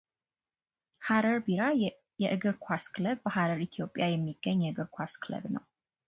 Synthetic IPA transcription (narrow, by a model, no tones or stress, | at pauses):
haɾəɾbiɾa | jɛʔɨɡɨɾkʷʰaskləβbəhaɾəɾit̪ʰijo̞pʼːjajɛmːiɡ̥ːəɲːjɛɨɡɨɾkʷʰaskʰɨlə̰βnə̰w